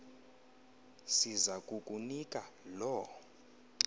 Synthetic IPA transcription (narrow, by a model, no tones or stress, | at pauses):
sizakʼukʼunikʼalɔ